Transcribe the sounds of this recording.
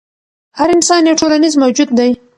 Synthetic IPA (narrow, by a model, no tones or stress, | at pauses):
haɾɪnsɑnjawʈʰolanizmawd͡ʒud̪̚ːaj